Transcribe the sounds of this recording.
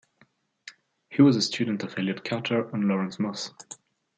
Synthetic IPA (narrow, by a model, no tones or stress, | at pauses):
hiwʌzəstʰjʉdⁿn̩tʌvɪljəd̚kʰatʰə˞ə̃nlɔɹə̃nsmʊs